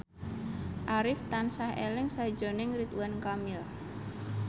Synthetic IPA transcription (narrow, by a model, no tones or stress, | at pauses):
ʔaɾɪft̪ansahḛlɪŋsḁd͡ʒo̤nɪŋɾit̪wankamɪl